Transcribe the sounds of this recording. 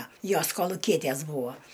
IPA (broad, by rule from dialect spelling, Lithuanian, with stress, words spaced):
ˈjoːs koːlˠʊˈkʲiɛtʲæs ˈbuːɐ